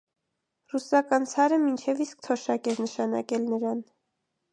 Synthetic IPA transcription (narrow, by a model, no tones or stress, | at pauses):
rusɑkɑnt͡sʰɑɾəmint͡ʃʰɛvisk̚t̪ʰɔʃɑkɛɾnəʃɑnɑ̰kɛlnəɾɑn